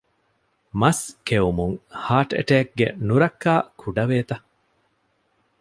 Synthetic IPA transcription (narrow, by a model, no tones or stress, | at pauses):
mɐskeumuŋhaːʈḛʈeːk̚ɡḛnuɾɐkːaːkʰuɖɐʋeːt̪ɐ